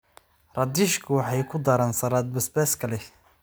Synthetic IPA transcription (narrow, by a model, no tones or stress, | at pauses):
rɑd̪iːʃkʰʊwɑħɑjkʰʊd̪ɐɾaːnsɐɾaːd̪̚bɐsbɛːskʰɐlɛ